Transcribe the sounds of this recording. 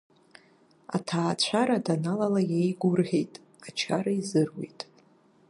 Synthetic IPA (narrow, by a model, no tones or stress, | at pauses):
a̰tʰaːt͡ɕʷʰaɾadanalalajejɡʷʊrʁʲejtʼ | at͡ʃʰaɾaizɨrwḛjtʼ